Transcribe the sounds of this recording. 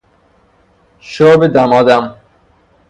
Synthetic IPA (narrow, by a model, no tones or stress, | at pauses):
ʃɔːbed̪æmɒːd̪æm